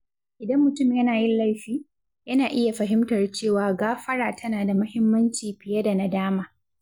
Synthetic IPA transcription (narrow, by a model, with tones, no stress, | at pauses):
ʔɪ˨dɐ˦mːʊ˨tʊ˦˨mjɐ˦naː˨jɪ˦nla˦˨jɸiː˦ | jɐ˦naː˨ʔɪ˦ja˨ɸɐ˨ɦɪ˦mtɐ˨rt͡ʃeː˦˨waː˨ɡaː˦ɸɐ˦ɽaː˨tʰɐ˦naː˨da˨mʊ˦hɪ˦mːɐ˦nt͡ʃiː˨ɸɪ˨jɐ˦da˨na˦daː˦maː˨